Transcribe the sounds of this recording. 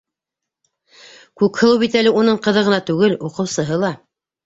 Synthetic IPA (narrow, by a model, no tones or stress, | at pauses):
kʉkhɤ̆lˠɤwbit̪ælɘunɤɴqɤ̆ðɤʁɤ̆nɑt̪ʉɡɘluqɤ̆wsɤ̆ɦɤlˠɑ